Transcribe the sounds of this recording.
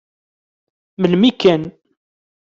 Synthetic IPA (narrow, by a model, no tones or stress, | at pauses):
məlmikːæn